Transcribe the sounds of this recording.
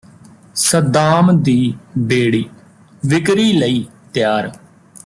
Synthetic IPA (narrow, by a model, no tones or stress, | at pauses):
səd̪aːmd̪iːbeːɽiː | ʋɪkɾiːləiːt̪ɪjaːɾ